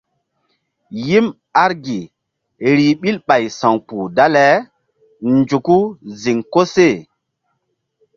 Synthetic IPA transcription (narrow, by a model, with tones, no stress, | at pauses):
ji˦m | a˦ɾɡi˨ | ɾi˨ɓi˦lɓa˨jsã˨ŋpu˨da˦lɛ˨˦ | nd͡ʒu˨ku˦zi˨ŋko˦se˦˨